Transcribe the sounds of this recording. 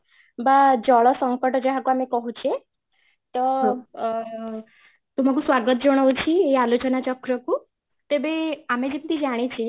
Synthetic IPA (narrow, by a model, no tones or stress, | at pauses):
bad͡ʒɔɭɔsəŋkəʈd͡ʒeɦakuamekɔɦut͡ʃʰe | t̪ɔɦ | t̪um̤ak̬ũsʋaɾɡət̪d͡ʒɔɽ̃əwt͡ʃʰiealot͡ɕənat͡ɕɔkɾəku | t̪ebeamed͡ʒet̪t̪id͡ʒaɽ̃et͡ʃʰe